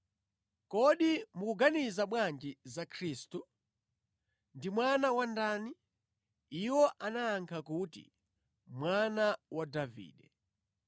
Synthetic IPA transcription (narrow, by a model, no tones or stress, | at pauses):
kɔɗimukuɡanizamwand͡ʒizakʰɾiːstu | ndimwanawandaːni | iwɔʔanaːŋkʰakutḭ | mwanawadavḭːɗɛ